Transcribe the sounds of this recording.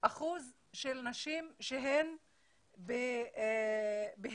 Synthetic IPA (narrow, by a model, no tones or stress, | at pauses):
ʔaχuz | ʃelnaʃimʃeɦem | be | beɦ